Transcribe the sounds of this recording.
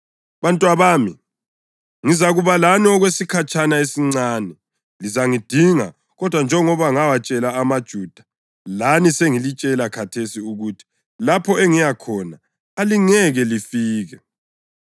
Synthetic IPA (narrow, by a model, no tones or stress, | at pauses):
βantʼwaβaːmi | ŋizaɣuβalaniɔɣwesikʰat͡ʃʼʰanaesiŋ͡ǀaːnɛ | lizaŋid̥ʱiŋa̰ | ɣɔd̥ʱwand͡ʒʱɛŋɔβaŋawat͡ʃʼɛlaːmad̥ʒ̥ʱuːd̥ʱḁ | laniseŋilit͡ʃʼɛlakʰatʰesiuɣutʰi̥ | lapʰɔɛŋijakʰɔna | aliŋɛɣɛlifiːɣɛ